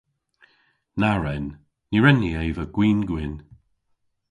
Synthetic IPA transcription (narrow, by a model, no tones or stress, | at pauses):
naɹɛnː | iɹɛnːiejvəɡ̥wiːnɡwɪn